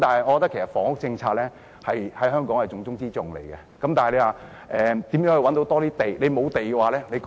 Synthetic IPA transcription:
t̪aː˨˩nɦɐ˨jŋɔː˨˧kɔ˧t̪ɐ˥kʰe˨˩sɐ˨˩tfɔː˨˥ŋhʊ˥k̚t͡sɪ˧ŋt͡sʰaː˧t̚lɛː˥ | hɐ˨jhɐ˨˥jɦœː˥ŋkɔː˨˥ŋhɐ˨jt͡sʊ˨˧ŋt͡sʊ˥ŋt͡siː˥t͡sʊ˨ŋlḛ˨˩jkɛ̰˧kɐ˦mt̪aː˨hɐ˨jle˧jwaː˨˩ | ʔɛː˨t̪iː˨˥mjœː˨˥ŋhɵ˧wɐ˨˥nt̪o˧wt̪ɔː˥t̪iː˥t̪e˨˩jle˨˧jmo˨˧wt̪e˨jkɛ˧waː˨lɛː˥le˨˧

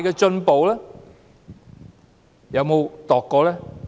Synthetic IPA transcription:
jkɛː˧t͡ʃɵ˧npo˨˧wlɛː˥ | jɐ˨˧wmo˨˧wt̪ɔː˨kːɔː˧lɛː˥

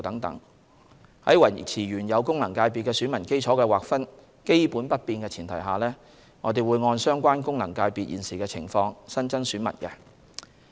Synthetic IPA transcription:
t̪ɐ˨˥ŋt̪ɐ̰˨˥ŋ | hɐ˨˥jwɐ˨˩˨t͡sʰiː˨˩ɥyː˨˩njɐ˨˧wkʊ˥ŋlɐ˨˩ŋkaː˧jpi˨kɛː˧syː˨˥nmɐ˨˩nke˥jt͡ʃʰɔː˨˥kɛː˧waː˨kfɐ˥n | ke˥jpuː˨˥npɐ˥t̚piː˧nkɛː˧t͡sʰiː˨˩nt̪ʰɐ̰˨˩jɦaː˨˩lɛː˥ | ŋɔː˨˧t̪e˨˩jwuː˨˧jŋɔː˧nsœː˥ŋkʷaː˥nkʊ˥ŋlɐ˨˩ŋkaː˧jpiː˨t̚jḭː˨nsiː˨kɛː˧t͡sʰɪ̰˨˩ŋfɔː˧ŋsɐ˥nt͡sɐ˥nsyː˨˥nmɐ̰˨˩nkɛ˧

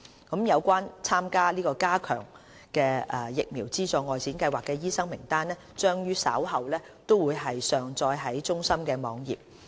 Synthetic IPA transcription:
kɐ˨˥mjɐ˨˧wkʷaː˥nt͡sʰaː˥mkaː˥liː˥kɔː˧kaː˥kʰœ̰ː˨˩ŋ | kɛː˧ʔɛː˨˩jɪ˨k̚miː˨˩wt͡siː˥t͡sɔː˨˧ŋɔː˨jt͡ssʰiː˨˥nkɐ˧jwaː˨kːɛː˧jiː˥sɐ˥ŋmɪ˨˩ŋt̪aː˥nlɛː˥t͡ʃœː˥ŋjyː˥sɐ̰˨˥wɦɐ˨wlɛː˥ | t̪o˥wuː˨˧jɦɐ˨jsœː˨ŋt͡sɔː˧jɦɐ˨˥jt͡ʃʊ˥ŋsɐ˥mkɛː˧mɔː˨˧ŋjiː˨p̚

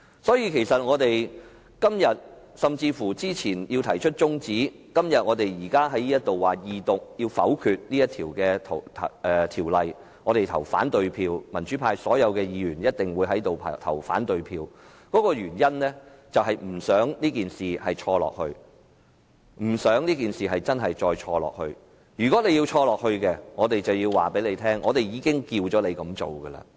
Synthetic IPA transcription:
sɔː˨˥jiː˧kʰe˨˩jsɐ˨t̚ŋɔː˨˧t̪e˨j | kɐ˥mjɐ˨t̚ | sɐ˨mt͡siː˧fuː˨˩t͡siː˥t͡sʰiː˨˩njiː˧wt̪ʰɐ˨˩jt͡ʃʰɵ˥t̚t͡sʊ˥ŋt͡siː˨˥kɐ˥mjɐ˨t̚ŋɔː˨˧t̪e˨jjiː˨˩kaː˥ɦɐ˨˥jniː˥jɐ˥t̚t̪o˨wwaː˨jiː˨˧t̪ʊ˨k̚ji˧wfɐ̰˨˥wkʰyː˨˧t̚niː˥jɐ˥t̪ʰiː˨˩wkɛː˧t̪ʰt̪ʰɛː˨˩t̪ʰiː˨˩wlɐ˨j | ŋɔː˨˧ɾe˨jt̪ʰɐ̰˨˩wfa̰ː˨˥nt̪ɵ˨˧ɥpʰiː˧wmɐ˨˩nt͡ʃy˨˥pʰaː˧jsɔː˨˥jɐ˨˧wkɛː˧jiː˨˧jyː˨˩njɐ˥t̚t̪ɪ˨ŋwuː˨˧jɦɐ˨˥jt̪o˨wpʰːt̪ʰɐ˨˩wfa̰ː˨˥nt̪ɵ˨ɥpʰiː˧w | kɔː˨˥kɔː˧jyː˨˩njɐ˥nlɛː˥ | t͡sɐ˨wɦɐ˨jm̩˨˩sœː˨˥ŋniː˥kiː˨nsiː˨˩hɐ˨jt͡ʃʰɔː˧lɔ̰ː˨k̚hɵ˧ɥ | m̩˨˩sœː˨˥ŋniː˥kiː˨˩nsiː˨ɦɐ˨jt͡sɐ˥nɦɐ˨jt͡ʃɔː˧jt͡ʃʰɔː˧lɔ̰ː˨k̚hɵ˧ɥ | jyː˨˩kɔ˨˥ne˨˧jiː˧wt͡ʃʰɔː˧lɔː˨k̚hɵ˧ɥkɛ˧ŋɔː˨˧t̪e˨jt͡sɐ˨wjiː˧wwa̰ː˨pe˨˥jle˨˧jt̪ʰɛː˥ŋʔɔː˨˧t̪e˨jjiː˨˧kɪ˥ŋkiː˧wt͡ʃɔː˨˥le˨˧jkɐ˨˥mt͡so̰˨wɡə˧lɐ̰ː˧

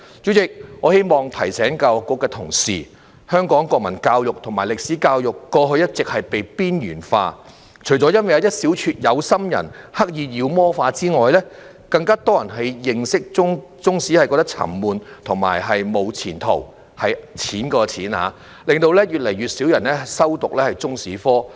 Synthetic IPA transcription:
t͡syː˨˥t͡sɪ˨k̚ŋɔː˨˧he˥jmɔː˨ŋt̪ʰɐ˨˩jsɛː˨˥ŋkaː˧wkʷːɔː˧kːɛː˧t̪ʰʊ˨˩ŋsḭː˨˩ | hœː˥ŋkɔː˨˥ŋkʷɔː˧k̚mɐ˨˩nkaː˧wjʊ˨k̚t̪ʰʊ˨˩ŋmaː˨˩jlɪ˨k̚si˨˥kaː˧wjʊ˨kːɔː˧ɦɵ˧jɐ˥t̚t͡sɪ˨k̚hɐ˨jpe˨jpiː˥njyː˨˩nfa̰ː˧ | t͡ʃʰɵ˨˩t͡sɔ˨˥jɐ˥nwɐ˨˩jɐ˨˧wjɐ˥t̚siː˨˥wt͡ʃʰyː˧t̚jɐ˨˧wsɐ˥mjɐ̰˨˩nhɐ˥k̚jiː˨˧jiː˨˧wmɔː˥faː˧t͡siː˥ŋɔː˨jlɛː˥ | kɐ˧ŋkaː˥t̪ɔː˥jɐ˨˩nɦɐ˨jːɪ˨˧ŋsɪ˥k̚t͡sʊ˥ŋt͡sʊ˥ŋsiː˨˥ɐ˨jkɔ˧kt̪k̚t͡sʰɐ̰˨˩mmuː˨nt̪ʰʊ˨˩ŋma̰ː˨˩jɦɐ˨jmo˨˧wt͡sʰḭː˨˩nt̪ʰo̰˨˩w | hɐ˨jt͡sʰiː˨˥nkɔː˧t͡sʰiː˨˥nha̰ː˨˧ | lɪ˨ŋt̪o˧wlɛː˥jyː˨t̚lɐ˨˩jɥyː˨t̚siː˨˥wjɐ˨˩nɛː˥sɐ˥wt̪ʊ˨k̚lɛː˥hɐ˨jt͡sʊ˥ŋsiː˨˥fɔː˥

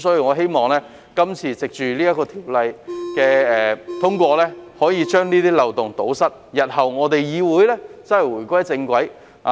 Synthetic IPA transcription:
sɔ˨˥jiː˧wŋɔː˨˧ɦe˥jmɔː˨˩ŋlɛː˥ | kɐ˥mt͡sʰiː˨t͡sɪ˨k̚t͡ʃyː˨liː˥jɐ˥kːɔː˧t̪ʰiː˨˩wlɐ˨˧jkɛː˧ɛː˨t̪ʰʊ˥ŋkʷɔː˧lɛː˥hɔː˨˥jiː˨˧t͡ʃœː˥ŋniː˥t̪iː˥lɐ˨wt̪ʊ˨ŋt̪o˨˥wsɐ˥t̚jɐ˨t̚hɐ˨˩wŋɔː˨˧t̪e˨jjiː˨˧wuː˨˥jlɛː˥t͡sɐ˨˥hɛ˨jwuː˨˩jkʷɐ˥jt͡sɪ˧ŋkʷɐ˨˥j | ha˨

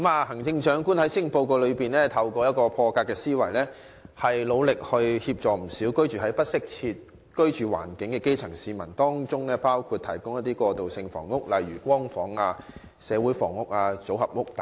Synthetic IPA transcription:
kmaː˨˧hɐ˨˩ŋt͡sɪ˧ŋt͡ʃœː˨˥ŋkuː˥nhɐ˨˥jsɪ˥ŋpo˧wkoː˧lɵ˨˧ɥpiː˨nlɛː˥t̪ʰɐ˧wkɔː˧jɐ˥t̚kɔː˧pʰɔː˧kaː˧kːɛː˧siː˥wɐ˨˩jlɛː˥ | hɐ˨jlo˨˧wlɪ˨k̚hɵ˧ɥhiː˧p̚t͡ʃɔː˨m̩˨˩siː˨˥wkɵ˥ɥt͡ʃyː˨˩ɦɐ˨˥jpɐ˥t̚sɪ˥k̚t͡sʰiː˧t̚ | kɵ˥ɥt͡ʃyː˨wa̰ː˨˩nkɪ˨˥ŋkɛː˧ke˥jt͡sʰɐ˨˩ŋsiː˨˧mɐ˨˩nt̪ɔː˥ŋt͡ʃʊ˥ŋlɛː˥paː˥wkʰuː˧t̪ʰɐ̰˨˩jkʊ˥ŋjɐ˥t̪̚i˥kʷɔː˧t̪o˨wsɪ˧ŋfɔ̰ː˨˩ŋːʊ˥k̚lɐ˨˩jɥyː˨˩kʷɔː˥ŋfɔː˨˥ŋaː˧ | sɛː˨˧wuː˨˥jfɔ̰ː˨˩ŋːʊ˥k̚aː˧t͡so˨˥whɐ˨p̚ŋʊ˥k̚t̪ː

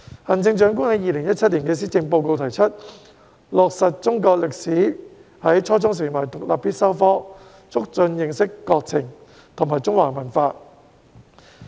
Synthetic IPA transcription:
hɐ˨˩nt͡sɪ˧ŋt͡ʃœː˨˥ŋkʊ˥ŋhɐ˨˧˦jiː˨˧lɪ˨˩ŋjɐ˥t̚t͡sʰɐ˥t̚liː˨˩nkɛː˧s̬iː˥t͡sɪ˧ŋp̬o˧wko˧wt̪ʰɐ˨˩jt͡sʰə˥t̚ | lɔː˨k̚sɐ˨t̚t͡sʊ˥ŋkɔː˧k̚lɪ˨k̚siː˨˥ | hɐ˨˥jt͡ʃʰɔː˥t͡sʊ˥ŋs̬ɪ˨˩ŋmɐ˨˩t̪ʊ˨k̚la̰ː˨piː˥t̚sɐ˥wfɔː˥ | t͡sʰʊ˥k̚t͡ʃɵ˧njɪ˨˧ŋsɪ˥kːɔː˧k̚t͡sʰɪ˨˩ŋ | t̪ʰʊ˨˩ŋmaː˨˩jt͡sʊ˥ŋwa̰ː˨˩ŋmɐ˨˩nfaː˧

